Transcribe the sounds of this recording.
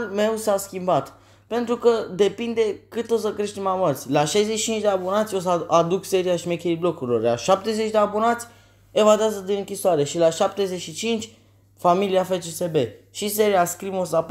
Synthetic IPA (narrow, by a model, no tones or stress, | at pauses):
lme̞wsaskʲimbat̪ | pe̞nt̪ɾukəd̪e̞pind̪e̞kɨt̪o̞s̬əkɾe̞ʃt̪emamarsʲlaʃajzeʃi̥t͡ʃint͡ʃʲd̪eabo̞nat̪sʲo̞s̬ad̪ukse̞ɾiaʃimekʲejblo̞kuɾilo̞̰rlaʃap̚t̪ezet͡ʃd̪eabonat̪sʲ | e̞vad̪eazəd̪inɨŋkʲisoaɾe̞ʃilaʃap̚t̪eze̞ʃit͡ʃint͡ʃʲ | familiafet͡ʃesebe̞ʃis̬e̞ɾiaskɾimos̬ap